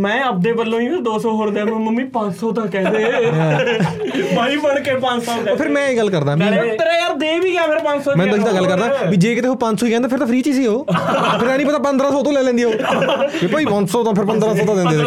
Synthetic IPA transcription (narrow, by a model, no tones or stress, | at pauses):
mɛ̃ːəp̚d̪eːbəlːõːĩːd̪oːsɔːɦoːɾd̪ãːnõmə̃mĩːpãɲt͡ʃsɔːt̪ãːkɛːd̪deː | baːiːpəɽkeːpə̃ɲsɔːoːpʰɪɾmɛ̃ːeːɡəlkəɾd̪aːbiːt̪əɾeːəɾd̪eːbiːkɪaːpʰɪɾpaɲsɔːmɛ̃ːnd̪kiːd̪aːɡəlːkəɾd̪aːbiːd͡ʒeːkɪt̪eːɦoːpãɲsɔːikɛ̃ːd̪aːpʰɪɾt̪ãːpʰɾiːt͡ʃiːsiːɦoːpʰɪɾɛ̃ːnĩːpət̪aːpənd̪ɾaːsɔːt̪õːlɛːlɛ̃ːnd̪ieːɦoːepəːiːpə̃nsɔːt̪ãːpʰɪɾpənd̪ɾãːsɔːt̪ãːd̪ẽnd̪eː